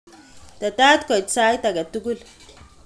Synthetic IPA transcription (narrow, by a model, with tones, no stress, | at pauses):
ta˨taː˦t̪kɔ˨jtsa˦jta˨ɡa˨tu˦ɡu˦l